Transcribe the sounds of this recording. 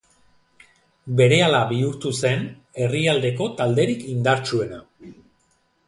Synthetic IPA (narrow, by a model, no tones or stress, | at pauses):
be̞ɾe̞alaβiuɾt̪use̞n | e̞riald̪e̞ko̞t̪ald̪e̞ɾikind̪aɾt͡ʃue̞na